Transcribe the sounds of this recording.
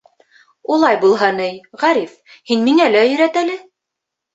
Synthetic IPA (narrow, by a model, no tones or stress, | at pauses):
ulˠɑjbulˠɦɤnɘjʁæɾif | hinmiŋælæjɵ̆ɾæt̪ælɘ